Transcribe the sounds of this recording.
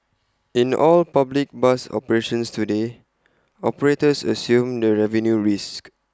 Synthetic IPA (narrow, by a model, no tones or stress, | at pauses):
ĩnʔɔlpablik̚basɔ̰pəɹeʃə̃nstude | ɔpəɹetəsə̰sjũmdəɹɛvə̃njuɹisk